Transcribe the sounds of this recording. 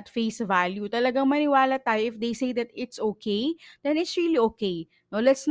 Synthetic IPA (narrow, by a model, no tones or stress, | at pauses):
t̪fejsvaljut̪ɐlɐɡaŋmɐnɪwaːlɐt̪aːjoʔɪfd̪ejsejd̪ɐt̪ɪt̪sʔoːkʰejd̪̥ɛnɪt̪sɹiliʔoːkej | nolɛt̪sn